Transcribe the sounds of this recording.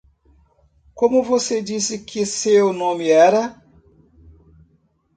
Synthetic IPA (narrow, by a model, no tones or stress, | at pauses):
komuvosed͡ʒisikʰiseonomiɛɾa